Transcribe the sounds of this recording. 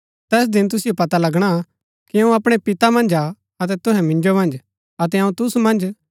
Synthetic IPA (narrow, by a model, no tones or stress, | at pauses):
t̪ɛːs̬d̪ɪ̃nt̪̬ʊsɪjopɐt̪alɐɡɽ̃a | kiɐ̃ũɐpɽ̃epɪt̪amɐ̃nd͡ʒa | ɐt̪̬ɛt̪ʊɦɛ̃mɪ̃nd͡ʒomɐ̃nd͡ʒ | ɐt̪̬ɛɐũt̪ʊsmɐ̃nd͡ʒ